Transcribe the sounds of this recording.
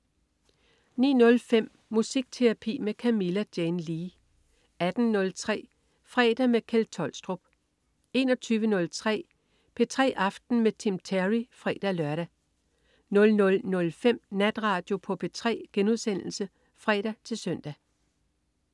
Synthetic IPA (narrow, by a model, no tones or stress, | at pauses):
nḭːnɔ̽lfem̰ | musiɡ̥̚t͡sʰe̝ʁɑpʰḭːmekʰæmilæd̥jenliː | æd̥n̩nɔ̽lt͡sʰʁɛ̰ː | fʁɛ̰ːd̥æmekʰelt͡sʰɒ̽lsd̥ʁob̥̚ | e̝nɒ̽t͡sʰyːʋənɔ̽lt͡sʰʁɛ̰ː | pʰe̝t͡sʰʁɛ̰ːʔɑ̈fd̥n̩met͡sʰimt͡sʰæʁifʁɛ̰ːd̥ælɶɐɾ̥æ | nɔ̽lnɔ̽lnɔ̽lfem̰næd̥ʁɑ̈ːd̥jo̝pʰɒ̽pʰe̝t͡sʰʁɛ̰ːɡ̥enuð̞̰ˠsen̰l̩sə | fʁɛ̰ːɾ̥æt͡sʰe̝lsœn̰d̥æ